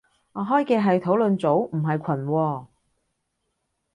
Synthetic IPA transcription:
ŋɔː˨˧ɦɔː˥jkɛː˧ɦɐ˨jt̪ʰo˨˥wlɵ˨nt͡so˨˥wm̩˨˩ɦɐ˨jkʷʰɐ˨˩nwɔː˧

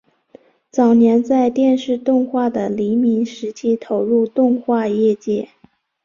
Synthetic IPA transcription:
t͡sɑ˨˩ʊnjɛ˧˥nt͡sa˥˧ɪt̪jɛ˥˧nʂɻ̩˥˧t̪ʊ˥˧ŋxwa˥˩d̪ə˩li˧˥mi˧˥ŋʂɻ̩˧˥t͡ɕʰi˥t̪ʰo˧˥ʊɻu˥˧t̪ʊ˥˧ŋxwa˥˧jɛ˥˧t͡ɕjɛ˥˩

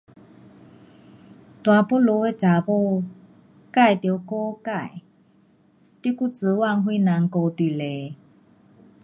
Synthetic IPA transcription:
t̪wa˨po˥lo˧˦e˥˧˨t͡sa˨po˥˧˨ | ka˥˧˨jt̪jo˧ko˦ka˥˨j | t̪i˥˧˦ku˥˨t͡sɨ˨˧˦wa˥˨ŋɦwi˥˧˦na˨˦ŋko˧t̪wi˨le˨˦

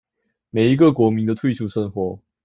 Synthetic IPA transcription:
me˨˩ɪi˧˥ɡə˨kwɔ˧˥mi˨˦nd̪ə˧t̪ʰwe˥˧sʰu˥˧˩ʂə˥˧ŋxwɔ˨˧˦

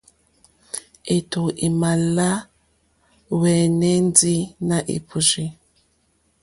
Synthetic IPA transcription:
e˨tu˨ʔi˨ma˨la˦ | wɛ˨nɛ˦nd͡zi˦na˨ʔḭ˨pʰu˨ʒi˦

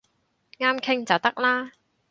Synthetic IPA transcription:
ŋaː˥mkʰɪ˥ŋt͡sɐ˨wt̪ɐ˥k̚laː˥

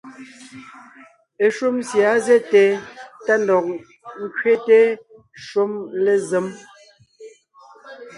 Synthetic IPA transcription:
e˨ʃu˦msja˨˦ze˦te˨ta˦ndɔ˨k̚ | ŋ̩˦kɥe˦te˦ | ʃu˦mle˦ze˨˦m

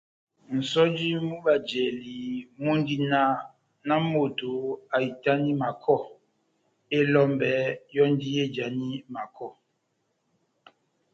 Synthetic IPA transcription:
n̩˨sɔ˦d͡ʒi˦mu˦ba˨d͡ʒɛ˨li˨mo˦n˦di˦na˦ | na˦mo˨to˨a˨i˨ta˦ni˦ma˨kʰɔ˦˨ | e˦lɔ˦mbɛ˨˦jɔ˦n˦di˦je˦˨d͡ʒa˨ni˦ma˨kʰɔ˦˨

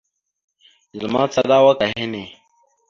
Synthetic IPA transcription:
zu˨ma˦t͡sa˦ɗa˦wa˦ka˨ɦe˦ne˨

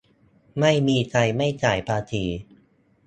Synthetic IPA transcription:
ma˥˩jmiː˧t͡ɕa˧jma˥˩jt͡ɕaː˩jpʰaː˧t̪ʰiː˧

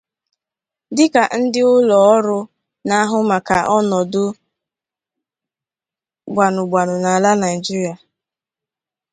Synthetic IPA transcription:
dɪ˦ka˨n̩˦dɪ˦ʊ˦lɔ˨ɔ˦ɾʊ˦ | na˦ɦʊ˦ma˨ka˨ʔɔ˦nɔ˨dʊ˦ | ɡ͡bʷa˨nʊ˨ɡ͡bʷa˨nʊ˨na˨la˦na˨i˨d͡ʒi˦ɾi˦a˨

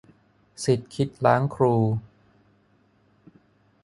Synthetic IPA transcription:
si˨˩t̪̚kʰi˦˥t̪̚laː˦˥ŋkʰɾuː˧

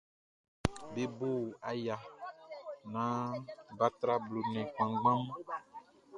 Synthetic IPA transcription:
be˦bo˦˨a˨ja˨ | nã˦ba˦t̪ɾa˦blo˨nɛ̃˨k͡pã˨ɡ͡bã˦m˦

